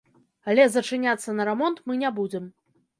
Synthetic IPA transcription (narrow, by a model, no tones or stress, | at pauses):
alʲɛzɐt͡ʂɨnʲat̪sːɐnɐɾɛmɔnt̪mɨnʲabud͡zʲɛm